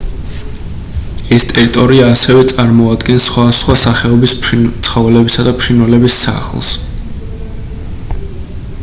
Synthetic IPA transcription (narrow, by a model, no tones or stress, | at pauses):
ɛst̪ʼɛɾit̪ʼɔɾiaːsɛvɛt̪sʼaɾmɔad̪ɡɛnsːχwasχwasaχɛɔbispʰt̪sʰχɔvɛlɛbisad̪apʰɾinwɛlɛbisːa̰χlˠs